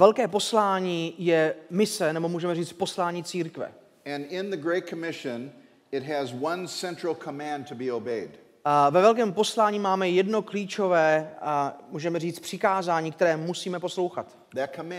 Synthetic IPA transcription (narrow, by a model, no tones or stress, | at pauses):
vɛlkɛːpo̞slaːɲiːjɛmɪsɛnɛbo̞muːʒɛmɛriːt͡st̪̚po̞slaːɲiːt͡siːɾkvɛ̰ | ɨ̃nɪ̃nðɨɡɹeɪt̚kʰəmɪʃɨ̃n | ɪt̚ɦɨzwʌ̃nsɛ̃nt͡ʃɹ̥l̩ˠkʰəmæ̃ntʰɨbioʊbeɪd | vɛvɛlkɛːmpo̞slaːɲiːmaːmɛjɛdno̞kliːt͡ʃo̞vɛː | muːʒɛmɛriːt͡s̪pr̝̥ɪkaːzaːɲiːk̚t̪ɛɾɛːmusiːmɛpo̞slowxat̪ | ðɨt̚kʰəm